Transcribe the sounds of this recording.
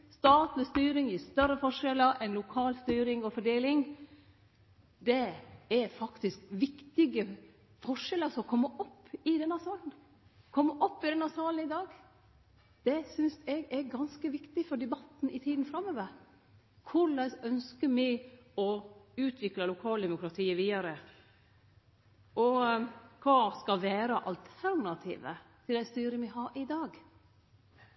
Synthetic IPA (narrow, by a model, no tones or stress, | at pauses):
st̪ɑːt̪lɪst̪yːɾɪŋjɪst̪œɾːəfɔʂɛləɾʔɛnlʊkʰɑːlst̪yːɾɪŋɔfɔɖeːlɪŋ | d̪ɛɛɾfɑkt̪ɪskʋɪkt̪ɪɡə | fɔʂɛləsɔɔkʰɔmːəʔɔpːɪd̪ɛnːɑsɑːln | kʰɔmːəʔɔpːɪd̪ɛnːɑsɑːlənɪd̪ɑːɡ | d̪̥ɛsʏnsɛɡɛɡɑnskəʋɪkt̪ɪfɔɖɛbɑt̪n̩ɪt̪ʰiːd̪n̩fɾɑmːoːʋəɾ | kʰʊɭəsœnskəmɪɔʉːt̪ʰʋɪklɑlʊkʰɑːld̪ɛmʊkɾɑt̪ʰiːəʋiːɑɾə | ʔɔkʰɑːskɑlʋæːɾəʔɑ̰lt̪ʰæɾɳɑt̪ʰḭːʋə̰t̪ʰɪld̪æɪst̪yːɾəmɪɦɑɾʔɪd̪ɑːɡ